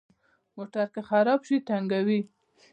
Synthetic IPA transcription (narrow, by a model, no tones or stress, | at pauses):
moʈaɾkexaɾɑbʃit̪aŋɡawi